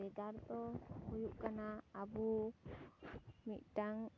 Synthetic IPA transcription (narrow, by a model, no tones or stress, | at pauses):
ɛɡart̪ɔhujuʔkanaːbu | miʔʈaŋ